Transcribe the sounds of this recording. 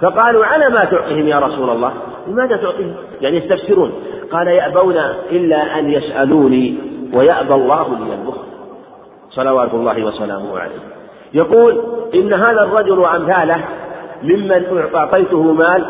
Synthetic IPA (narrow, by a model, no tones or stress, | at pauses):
fɑqɑːluːʕalaːmat̪ʊʕt̪ˤiːhɪmjaːɾˤɑsuːlalˤːɑːh | lɪmaːðat̪ʊʕt̪ˤiːhɪm | jaʕnijast̪afsɪɾuːnqɑːlajaʔbawnaʔɪlːaːʔanjasʔaluːniːwajaʔbalˤːɑːhʊlɪjalbʊxɾ | sˤɑlɑwaːt̪ʊlˤːɑːhɪwasala̰ːmʊhʕa̰la̰jh | jɑquːlʔɪnːaɦaːðarˤːɑd͡ʒʊlwaʔamθaːlahmɪmːanʔʊʔʊʕt̪ˤɑjt̪ʊhʊmaːl